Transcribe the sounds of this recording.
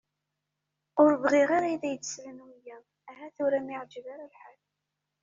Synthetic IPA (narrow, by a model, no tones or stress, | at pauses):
ʊɾvʁɪʁaɾæjðæjət͡s̪ːslənwijæ | æɦæθʊɾæmiʕd͡ʒəvaɾalħal